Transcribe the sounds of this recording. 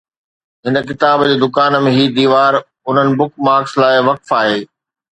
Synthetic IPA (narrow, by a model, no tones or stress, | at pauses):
ɦɪnə̆kɪt̪aːbd͡ʑeːd̪ʊkaːnəmẽɦiːd̪iːʋaːɾ | ʊn̤ənɪ̆bʊkmaːɾkslaːɪʋɐkfaːɦeː